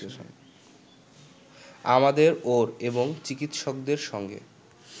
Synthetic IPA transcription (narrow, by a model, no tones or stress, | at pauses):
eo̰n | amad̪eɾoɾeboŋt͡ɕikit̪ʃok̚d̪eɾʃɔŋɡḛ